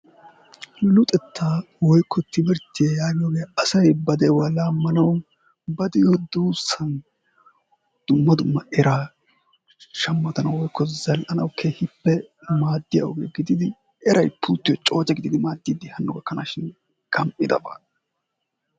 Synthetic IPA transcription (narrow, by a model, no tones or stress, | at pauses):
lʊt̪ʼɛt̪ʰːaː | wɔjkʰːɔt̪ʰːɪbɛɾt̪ːɪjajaːɡɪjoːɡejaʔɐsɐjbɐd̪ɛjwaːlaːmːɐnɐw | bɐd̪ɪjod̪uːsɐn | d̪̥ʊmːɐd̪ʊmːɐʔɛɾaː | ʃɐmːɐt̪ɐnɐwwɔjkːɔzɐlʔɐnɐwkʰeːhɪpːɛ | maːd̪ːɪja̰ʔɔɡḛːɡɪd̪ɪd̪ɪ | ɛɾɐjpʰuːt̪ːɪjɔt͡ʃʼoːt͡ʃʼːɐɡɪd̪ɪd̪ɪmaːd̪ːiːd̪ɪhɐnːɔɡɐkːɐna̰ːʃɪn | ɡɐmpʼɪd̪ɐ̰ba̰ː